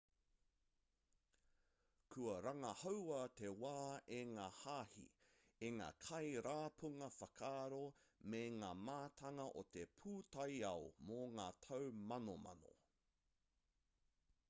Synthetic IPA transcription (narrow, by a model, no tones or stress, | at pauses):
kʰuɐɾɐŋɐhɐwɐt̪ewaːeŋaːhaːhḭ | eŋa̰ːkʰɐjɾaːpʰuŋɐfɐkʰaːɾomeŋaːmaːt̪ʰɐŋɐʔot̪epʰuːtɐjɐomoŋaːt̪ʰɐwmɐnomɐ̰no̰